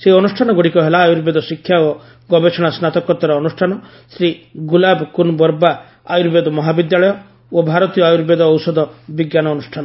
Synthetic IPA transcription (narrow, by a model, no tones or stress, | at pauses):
seɔnusʈʰanɔɡoɽikɔɦelaːjuɾbed̪ɔsikʰjao | ɡɔbet͡ʃʰɔɽ̃asnat̪ɔkɔt̪ɔɾɔɔnusʈʰanɔ | sɾiɡulabkunbɔɾba | a̰juɾbed̪ɔmɔɦabid̪jaɭɔjɔ | obʱaɾɔt̪ijɔajuɾbed̪ɔːwsɔd̪ɔbiɡjanɔːnusʈʰanɔ